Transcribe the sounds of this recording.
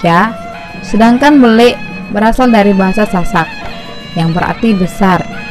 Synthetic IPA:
a | sədaŋkanbolɪʔ | bəɾasaldaɾibaɦasasasat̪̚ | jaŋbəɾa̰rt̪ibəsar

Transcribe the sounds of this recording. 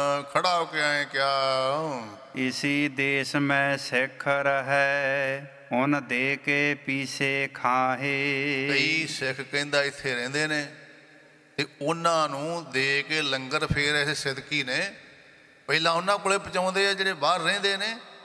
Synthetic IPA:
kʰəɽaːokɪãːẽːkjaːo | ɪsiːd̪eːsmɛ̃ːsɪkʰəɾɦɛː | ʊnd̪eːkeːpiːseːkʰaːɦeːəisɪkʰkə̃nd̪aːɪt̪ʰːeːɾɛ̃ːnd̪eːneː | t̪eːʊnãːnũːd̪eːkeːləŋɡəɾpʰeːɾɛːssɪd̪kiːneː | pəiːlãːʊnãːkʊleːpət͡ʃãːnd̪eːɛːd͡ʒeːɽeːbaːɾːɛ̃ːnd̪eːneː

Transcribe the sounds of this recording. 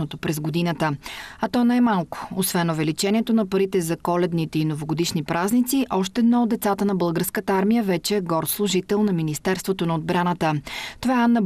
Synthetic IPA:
ot̪opɾɛzɡod̪inət̪əɐt̪ɔnaɛmalˠko̥osvɛnovɛlit͡ʃɛnʲiɛt̪onɐpɐɾit̪ɛzɐkɔlɛd̪nit̪ɛinovoɡod̪iʃnipɾaznit̪siʔɔʃt̪ɛɛd̪nɔod̪ɛt̪sat̪ənɐbɤlˠɡəɾskət̪əaɾmijəvɛt͡ʃɛːɡɔɾt̪slˠʊʒit̪ɛlˠnɐminist̪ɛɾst̪vot̪onɐod̪̚bɾanət̪ət̪ovaɛanːə

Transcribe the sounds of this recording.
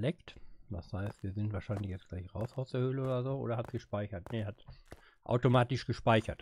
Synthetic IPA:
lɛktd̥a̰shaɪstv̥iːɐzɪntv̥aːɐʃaɪnlɪçjɛt͡sɡ̥laɪçʁaʊsaʊsdɛːɐhøːləoːdɐzoːʔo̰ːdɐhatsɡ̥əʃpaɪçɐtneɐhat | ʔa̰ʊtomaːtɪʃɡ̥əʃpaɪçɐt

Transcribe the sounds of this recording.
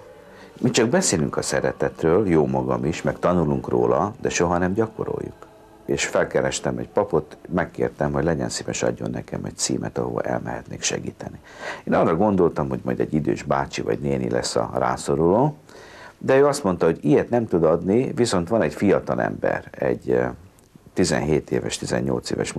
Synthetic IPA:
mit͡ʃɒɡbɛseːlyŋkɒsɛɾɛt̪ɛt̪røːljoːmɒɡɒmiʃmɛkt̪ɒnuluŋkro̰ːlɒd̪ɛʃo̞ɦɒnɛmɟɒko̞ɾo̞̰juk | eːʃfɛlkɛɾɛʃt̪ɛmɛcpɒpo̞t̪mɛkːḛːrt̪ɛmɦo̞ɟlɛɟɛnsiːvɛʃɒ̰ɟːo̞̰nːɛkɛmɛc̚t̪siːmʔɛt̪ɒɦovɒ̰ʔɛ̰lmɛɦɛt̪neːkʃɛ̰ɡiːt̪ɛnieːnɒrːɒɡo̞nd̪o̞lt̪ɒmɦo̞ɟmɒjd̪ɛɟːid̪øːʒbaːt͡ʃivɒɟneːnḭlʔɛsːɒ̰ra̰ːso̞ɾuloː | d̪ɛøːɒst̪mo̞n̪t̪ɒɦo̞ɟiɛt̪nɛmt̪ud̪ɒd̪niviso̞nt̪ʋɒnɛcfijɒt̪ɒlɛ̰mbɛ̰ɾɛɟ | t̪izɛnɦeːt̪eːvɛʃt̪izɛɲːo̞̰lt̪seːvɛʃ

